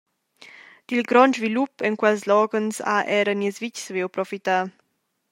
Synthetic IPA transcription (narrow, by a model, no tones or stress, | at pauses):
d̪̥ilɡɾɔnd͡ʒvilupɛŋkwɛlslɔɡənsa̰ʔɛɾəniəsvit͡ʃsvewpɾɔfit̪a